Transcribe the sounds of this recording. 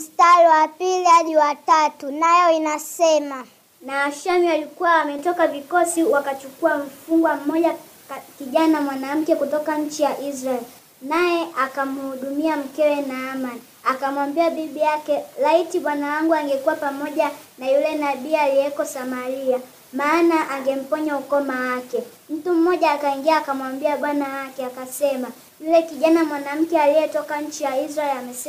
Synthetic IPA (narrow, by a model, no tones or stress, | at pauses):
m̩staɾɛwapilihaɗiwatatunajɔinasɛma | naːʃamialikuwaːmɛtɔkavikɔsiwakat͡ʃukuam̩fuŋɡwam̩mɔʄa | kiʄanamwanam̩kɛkutɔkaɲ̩t͡ʃijaʔizɾaɛl | najɛʔakamuhuɗumiam̩kɛwɛnaːmani | akamwambiaɓiɓijakɛlaitiɓwanawaŋɡuaŋɡɛkuwapamɔʄanajulɛnaɓiːaliɛkɔsamaɾia | maːnaʔaŋɡɛm̩pɔɲaukɔmawakɛ | m̩tum̩mɔʄaːkaiŋɡiaːkamwambiaɓwanawakɛakasɛma | julɛkiʄanamwanam̩kɛaliɛtɔkaɲ̩t͡ʃijaiz̬ɾaɛlamɛsɛ